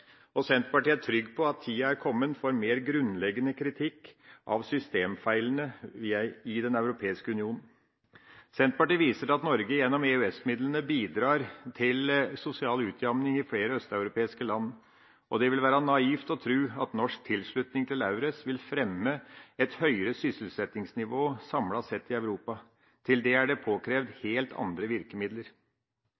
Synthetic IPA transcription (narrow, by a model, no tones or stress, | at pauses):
ɔsɛnt̪pɑʈiːæʈʰɾʏɡːpʰɔɑt̪ʰːiːɑæɾkʰɔmːənfɔɾmeːɾɡɾʉnlɛɡənəkʰɾɪt̪ʰɪkːʔɑ̰ʋsʏst̪eːmfæɪlənəʋiɪd̪ɛnɑʉɾʊpʰeːɪskəʉnɪuːnn̩ | sɛnt̪̚pɑʈiːʋiːsəɾɑt̪nɔɾɡəjɛnːɔmɛʉɛsmɪd̪lənəbiːd̪ɾɑːɾt̪ʰɪlsʊsɪɑːlʉːt̪ʰjɑmnɪŋɪfɽeːɾəœst̪ɑʉɾʊpʰeːɪskəlɑnː | ʔɔd̪ɛʋɪlʋæːɾɑnɑiːft̪ɔt̪ʰɾʉːɑt̪nɔʂk̚t̪ʰɪlʂɭʉt̪nɪŋt̪ʰɪlɑʉɾəsʋɪlfɾɛmːəɛt̪hœʏɾəsʏsəl̩sɛt̪ɪŋsnɪʋoːsɑmlɑsɛt̪ːɪɑʉɾuːpɑ | t̪ʰɪld̪ɛæɖɛpʰoːkʰɾeːʋd̪heːlt̪ʰɑ̰nd̪ɾəʋɪɾkəmɪd̪ləɾ